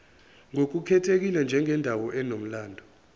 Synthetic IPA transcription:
ŋok̬ukʰɛtʰek̬ilɛnd͡ʒʱɛŋɛndʱawɔʔɛnom̩laːndʱɔ

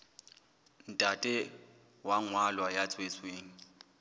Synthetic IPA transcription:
n̩tʼatʼɪ | waŋwalwajat͡sʼwet͡sʼweːŋ̩

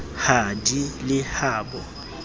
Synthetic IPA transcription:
hadilɪhaːbɔ

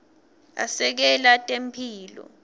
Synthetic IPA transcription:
a̰sɛk̬ɛlatʼempʰiːlɔ̰

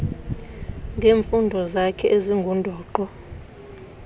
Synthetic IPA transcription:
ŋɡʱeːɱfundʱɔzakʰɛʔeziŋɡʱundʱɔːǃɔ

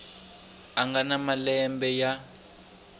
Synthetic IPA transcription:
aŋɡanamalɛmbɛja

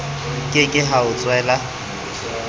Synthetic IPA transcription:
kʼɪkʼɪɦaʊt͡sʼwɛːla

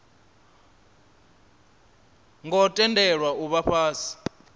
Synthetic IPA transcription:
ŋɡɔtʼɛndʱɛɺwauɓaɸaːsi̥

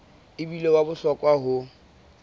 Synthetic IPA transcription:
ɪbilewabʊɬɔkʼwaɦʊ

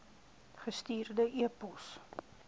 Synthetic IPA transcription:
χəstiːrdəʔiəpɔs

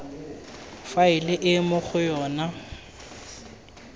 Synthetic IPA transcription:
faɪlɪʔɪmʊχʊjɔːna

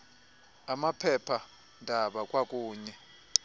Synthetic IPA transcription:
amapʰɛpʰa | ndʱaɓakʼwakʼuːɲɛ

